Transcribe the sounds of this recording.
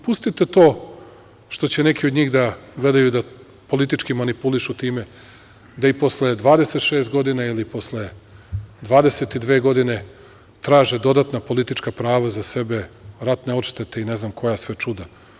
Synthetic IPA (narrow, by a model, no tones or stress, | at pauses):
pust̪it̪et̪o̞ː | ʃt̪o̞t͡ɕene̞kiod̪ɲiːɣd̪aɡle̞d̪ajud̪a | po̞lit̪̬it͡ʃkimanipuliʃut̪iːme | d̪aipo̞sled̪ʋaːd̪e̞set̪ʃe̞ːst̪̚ɡo̞d̪inailipo̞sle | d̪ʋaːd̪ese̞t̪id̪ʋeːɡo̞d̪ine̞ | t̪ɾaːʒed̪o̞d̪at̪napo̞lit̪it͡ʃkapɾaːʋazase̞be̞ɾat̪neo̞tʃt̪et̪eineznamkʰo̞jasʋe̞t͡ʂud̪a